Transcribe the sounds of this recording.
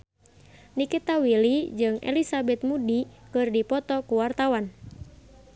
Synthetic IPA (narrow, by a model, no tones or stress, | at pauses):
nikit̪awilid͡ʒɨŋɛ̰lisabɛt̪̚mudikɨrdipɔt̪ɔkuwart̪awan